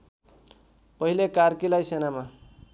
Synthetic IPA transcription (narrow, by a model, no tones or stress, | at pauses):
pʌɦilekarkilajsenama